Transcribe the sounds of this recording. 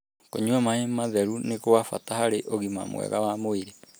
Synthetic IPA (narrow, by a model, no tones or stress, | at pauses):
koɲuamahemaðɛɾunekoafatahaɾeʔoɣima̰mw̰ɛ̰ɣawamoiɾe